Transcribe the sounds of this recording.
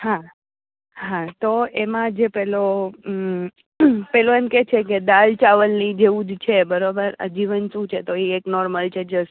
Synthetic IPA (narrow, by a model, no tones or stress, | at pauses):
ɦã | ɦãt̪oemãd͡ʒepɛlo | pɛloemket͡ʃʰeked̪alt͡ʃaʋəlnid͡ʒeũd͡ʒt͡ʃʰebəɾobəɾə̰d͡ʒiʋənʃũt͡ʃʰet̪oieknɔɾməlt͡ʃʰed͡ʒəs